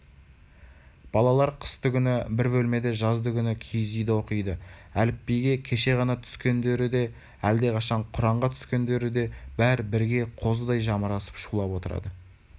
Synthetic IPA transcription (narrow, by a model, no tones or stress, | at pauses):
b̥ɑlˠɑlˠɑɾqʰə̥st̪əɡʲʏnɪbɪɾbɵlme̞d̪e̞ʒɑzd̪əɡʲʰʏnɪkʲʰijɪzijd̪wo̞qijd̪əælɪpːejɡʲe̞kʲʰe̞ʃe̞ʁɑnɑt̪ʰʏ̥skʲe̞nd̪e̞ɾɪd̪e̞ | æld̪e̞qʰɑʃɑɴqʰʊɾɑɴʁɑt̪ʰʏ̥skʲe̞nd̪e̞ɾɪd̪e̞bæɾbɪɾɡʲe̞qʰo̞z̬əd̪ɑjʒɑməɾɑsə̥pʃulˠɑpwo̞t̪əɾɑ̰d̪ə